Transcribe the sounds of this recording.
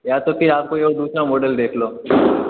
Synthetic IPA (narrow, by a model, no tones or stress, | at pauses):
jaːt̪opɪɾaːp̚koeoːd̪uːsɾamoːɖəld̪eːkʰloː